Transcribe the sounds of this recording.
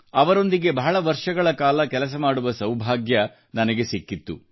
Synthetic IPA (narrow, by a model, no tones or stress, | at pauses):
ɐʋɐɾo̞nd̪iɡe̞bɐɦɐɭɐʋɐɾʂɐɡɐɭɐkaːlɐkɛlɐs̬ɐmaːɽuʋɐsɐwbʱaːɡjɐ | nɐnɐɡe̞sikːit̪ːu